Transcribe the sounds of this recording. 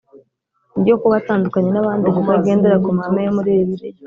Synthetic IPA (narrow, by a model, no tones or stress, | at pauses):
niɟo̞kuβataːndukaɲe̞naβaːndiβokaɡe̞ːnde̞ɾakumhamejomuɾijeβiɾe